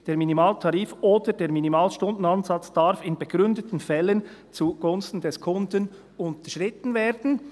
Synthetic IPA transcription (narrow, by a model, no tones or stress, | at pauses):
d̥eːɾminimɑːltʰɑɾiːfoːdəd̥eːɾminimɑːlʃtʊndn̩ɑnzɑt͡sd̥ɑɾfɪnbɛɡ̥ɾʏndətn̩fɛlːən | t͡suɡ̥ʊnstn̩dɛskʰʊndən | ʊnt̪əʃʁɪt̪n̩veːɾdn̩